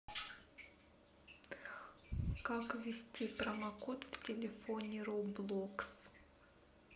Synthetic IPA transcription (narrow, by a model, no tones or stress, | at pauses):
kakvʲɪsʲtʲip̪ɾɐmɐkot̪ftʲɪlʲɪfonʲɪɾoblˠoks